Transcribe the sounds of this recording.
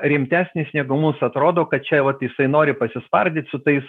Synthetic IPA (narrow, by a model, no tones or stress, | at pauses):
ɾʲɪmʲt̪ʲæːsʲnʲɪsnʲæːɡʊmusɐt̪ɾoːd̪oːkɐt̪̚t͡ʃʲɛʋɐt̪jɪsɐɪnoːɾʲɪpɐsʲɪspɐrʲd̪ʲɪːt̪ʲsʊt̪ɐɪs